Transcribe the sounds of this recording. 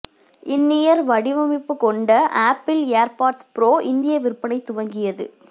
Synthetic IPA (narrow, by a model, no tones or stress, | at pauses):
ɪnːɪjɐɾʋɐɽɪʋɐmɪpːɯkɔɳɖɐʔaːpːɪleːɾpaːɾʈspɪɾoːʔɪnd̪ɪjɐʋɪɾɯpːɐnɐɪt̪ːʊʋɐŋɡɪjɐðɯ̰